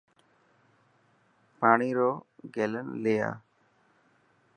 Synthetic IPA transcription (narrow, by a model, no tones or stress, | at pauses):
paːɳiːɾoːɡeːlənleja̰ː